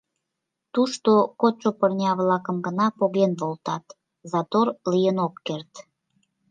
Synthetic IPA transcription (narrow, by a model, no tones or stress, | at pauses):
t̪uʃt̪okot͡ɕopərnʲɑβlɑkəmɡənɑpoɣenβolˠt̪ɑt̪ | zɑt̪orlijənokːert̪